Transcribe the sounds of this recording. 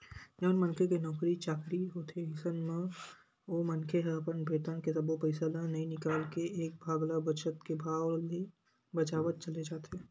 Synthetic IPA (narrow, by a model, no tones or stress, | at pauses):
d͡ʒɔːnmənkʰekenɔːkɾit͡ʃaːkɾiɦoːt̪eɦɪsənmẽ | omɐnkʰeɦɛpənbʱeːt̪ənkesɐbopəɪsalanɐɦĩnɪkaːlkeʔːk̚bʱaːɡlabət͡ʃət̪kebʱaːwle | bɐt͡ʃaːʋət̪̚t͡ʃɐled͡ʒaːt̪eː